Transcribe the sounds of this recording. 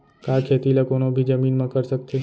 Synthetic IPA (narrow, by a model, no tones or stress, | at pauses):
kaːkʰeːt̪ilakoːnõbʱid͡ʒəmiːnmãkəɾsək̚t̪ʰe